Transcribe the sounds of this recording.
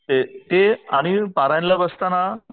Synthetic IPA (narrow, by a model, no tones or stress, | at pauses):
t̪et̪eaɽ̃ipaɾaj̃nlabəst̪ana